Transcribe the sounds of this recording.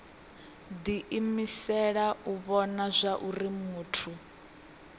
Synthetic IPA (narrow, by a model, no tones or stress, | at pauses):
d̪iʔimisɛɺauβɔnazʷaʔurimuːtʰu